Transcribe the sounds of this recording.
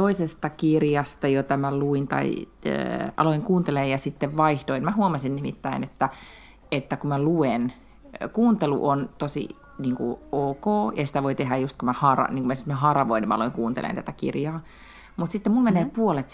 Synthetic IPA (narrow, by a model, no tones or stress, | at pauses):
t̪oisest̪ɑkirjɑst̪ɑjot̪ɑmæluint̪ɑ̰ḭ | ʔɑ̰loiŋkuːnt̪elejjɑsit̪ːeʋʋɑiht̪oinmæhuomɑsinnimḭt̪ːæinet̪ːæ | et̪ːækumæluen | kuːnt̪elṵʔont̪osḭ | niːŋkṵoːkoːjɑsi̥t̪æʋoit̪eɦæjust̪kumæhɑrɑ̰niːŋkumæsi̥t̪mæhɑrʋoinːimæɑloiŋkuːnt̪ḛlʔḛnt̪æt̪ækḭrjɑː | mut̪sit̪ːemulmeneːpuolet̪